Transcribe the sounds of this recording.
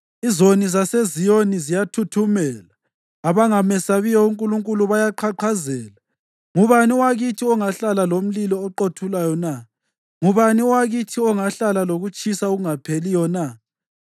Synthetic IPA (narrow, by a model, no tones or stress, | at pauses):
izonizasezijonizijatʰutʰumɛlaː | βaŋamɛsaβijɔuŋkʼuluŋkʼuluβajaǃʰaǃʰazɛːla | ŋuβaniwaɣitʰiɔŋaɬalalom̩lilɔːǃotʰulajɔna | ŋuβaniwaɣitʰiɔŋaɬalaloɣut͡ʃʼisauɣuŋapʰelijɔna